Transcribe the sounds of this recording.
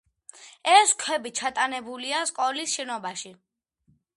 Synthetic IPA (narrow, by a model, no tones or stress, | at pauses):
ɛskʰwɛbit͡ʃʰat̪ʼanɛbuliaskʼɔlisʃɛnɔbaʃi